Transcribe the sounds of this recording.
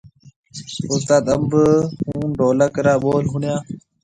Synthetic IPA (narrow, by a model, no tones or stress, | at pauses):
ʊst̪aːt̪əmbəhũːnɖoːləkəɾaːɓoːlɦʊɳjãː